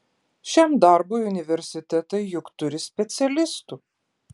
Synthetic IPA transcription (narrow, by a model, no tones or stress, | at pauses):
ʃʲɛmd̪ɑˑɾboːjʊnʲɪʋʲɛɾʲsʲɪt̪ʲɛt̪ɐɪjʊkt̪ʊɾʲɪsʲpʲɛt̪sʲɛlʲɪst̪u